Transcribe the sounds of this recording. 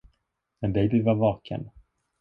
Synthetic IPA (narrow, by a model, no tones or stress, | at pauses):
mɛnd̪ɛjbɪvaɾvɑːkʰə̰n